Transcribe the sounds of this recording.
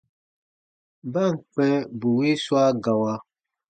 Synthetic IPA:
ba˦˨ŋ̩˨k͡pɛ˦bu˨wi˦swa˦ɡa˨wa˧

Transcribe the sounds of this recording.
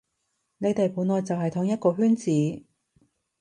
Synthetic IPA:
ne˨˧jt̪e˨jpuː˨˥nlɔː˨jt͡sɐ˨wɦɐ˨jt̪ʰʊː˨˧˥ŋjɐ˥t̚kɔː˧ɦyː˥nt͡siː˨˥

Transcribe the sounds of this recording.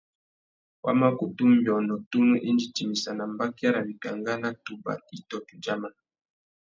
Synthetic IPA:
wʔa̰˦ma˦ku˨tu˦m˦bɔ˨nɔ˨tu˦nu˦ʔe˦nd͡ʒi˨ti˨mi˨sa˨na˨mba˦ki˦a˦ɾa˨bi˨ka˨ŋɡa˦na˦tu˨ba̰˨i˦tɔ˦tu˨d͡ʒa˦ma˨

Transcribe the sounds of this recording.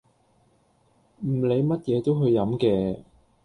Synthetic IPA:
m̩˨˩le˨˧jmɐ˥t̚jɛː˨˧t̪o˥wɦɵ˧ɥjːɐ˨˥mkɛː˧

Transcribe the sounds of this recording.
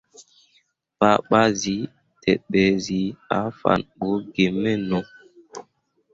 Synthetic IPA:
ɓa˨˦ɓa˦zi˨˦ | tɛ˨ɓɛ˨zi˨a˨˦fa̰˨nɓo˨˦ɡe˨mːɛ˦nɔ˨

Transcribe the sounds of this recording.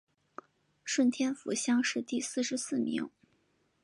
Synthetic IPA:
ʂwə˥˩nt̪ʰjɛ˥nfṵ˨˧˥ɕjɑ˥ŋʂɻ̩˥˧t̪i˥˧sɹ̩˥˩ʂɻ̩˧˥sɹ̩˥˩mḭ˧˥ŋ

